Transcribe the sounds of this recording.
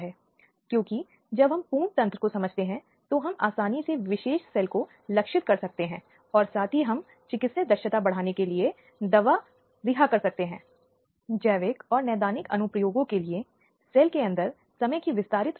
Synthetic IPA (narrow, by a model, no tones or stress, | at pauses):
ɦɛː | kjõːki | d͡ʒɐbɦɐmpuːnt̪ɐ̃nt̪ɾəkosɐməd͡ʒʱt̪eɦɛ̃ | t̪oɦɐmaːsaːniseʋɪʃeːʃsɛːlko | lɐkʃɪt̪̚kɐɾsɐk̚t̪eɦɛ̃ː | ɔːɾsaːt̪ʰiɦɐm | t͡ʃɪkɪt̪sed̪ɐɾʃət̪abɐɽ̤aːnekelie | d̪ɐʋa | ɾɪɦakɐɾsɐk̚t̪eɦɛ̃ː | d͡ʒɛːʋeːkɔːɾnɛːd̪aːnɪkɐ̰nʊpɾəjoːɡõkelie | sɛːlkeɐ̃nd̪əɾ | sɐməjkiʋɪst̪aːɾɪt̪